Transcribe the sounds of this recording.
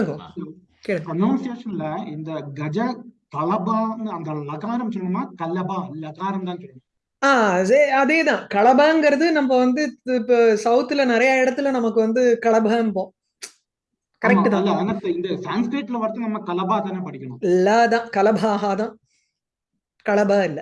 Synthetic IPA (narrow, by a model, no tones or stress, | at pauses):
kɽɯŋɡɐ | keːɽɐŋɡɐnoːnsɪeːʂɐnɪlɐɪnd̪ɐɡɐd͡ʒɐkɐlɐbaːnɯɐnd̪ɐlɐɣaːɾɐmt͡ʃɔlːɳɐmaːkɐlːɐbaːɪlːɐɣaːɾɐmt̪aːnsɔlːɐɳ̃ | aːsɐɐðeːt̪ãːkɐɭɐbaːŋɡɐɾɐðɯnɐmːɐʋɐnd̪ɯɪpːosɐʊt̪ːɪlɐnɪɾɐjɐɪɽɐt̪ːɯlɐ̃nɐmɐkːɯʋɐnd̪ɯkɐɭɐbʱaːɐmpõː | kɐɾɐk̚ʈːɯt̪ãlːɐɐnɐɪnd̪ɐsaːnspeːʈːɪlɐʋɐɾt̪ːɯ̃nɐmːɐkɐlɐbaːt̪aːneːpɐɽɪkʲːɐɳʊ̃ːɪlːaːt̪ãːkɐlɐbʱaːɣaːt̪ãː | kɐɭɐbaːɪlːɐ